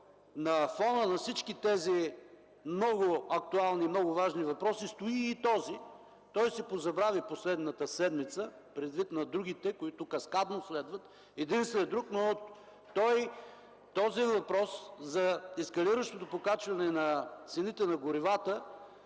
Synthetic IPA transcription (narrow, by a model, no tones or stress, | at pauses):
nɐfɔnənɐfsit͡ʃkit̪ɛzi | mnɔɡʊɐk̚t̪ualˠnimnɔɡʊvaʒnivɐpɾɔsist̪ʊiːt̪ɔzi | t̪ɔjsɛpozɐbɾaviposlɛd̪nət̪əsɛd̪mit̪sə | pɾɛd̪vit̪nɐd̪ɾuɡ̟it̪ɛkoit̪ʊkɐskad̪noslɛd̪vɐt̪ | ɛd̪inst̪vɛɛd̪ɾukno | t̪ɔj | t̪ɔziɛnvɐpɾɔszɐɛskɐliɾəʃt̪ot̪opokat͡ʃvɐnɛnɐt̪sɛnit̪ɛnɐɡʊɾivat̪ə